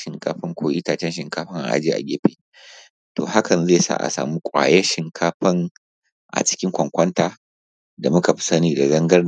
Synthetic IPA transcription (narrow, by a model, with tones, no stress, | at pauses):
ʃɪ˨ŋkaː˦ɸɪ˦ŋkʷʰoː˨ʔi˦taː˨t͡ʃɛ˦nʃɪ˨ŋkaː˦ɸɪ˦ŋʔa̰˨ʔa̰˨d͡ʒiː˦ʔa̰˨ɡʲeː˦ɸeː˨ | to̰ː˨ha˦kɐ˨nzeː˦˨sa̰˦ʔa̰˨sa̰ː˨mu˦kʷʼa̰ː˨jɛ˦ʃɪ˨ŋkʰaː˦ɸɪ˦ŋ | ʔa̰˨t͡ʃɪ̥˦kʲɪ˦ŋkʷɐ˨ŋkʷɐ˦ntaː˨ | da˨mʊ˦ka˨ɸi̥˦sɐ˦niː˨da˨zɐ˦ŋɡɐ˦r